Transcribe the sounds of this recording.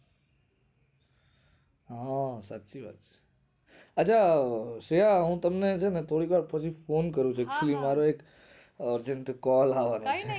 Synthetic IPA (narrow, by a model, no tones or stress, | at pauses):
ɦãsatːt͡ʃiʋa̰t̪t͡ʃʰe̥ | əːt͡ʃʰaʃeɦaɦũt̪əmnet͡ʃʰenet̪ʰoɽikʋaɾpət͡ʃʰifonk̬əɾũt͡ʃʰoekt͡ʃʰulimaɾoek | əɾd͡ʒeɳʈkɔlaʋanõt͡ʃʰe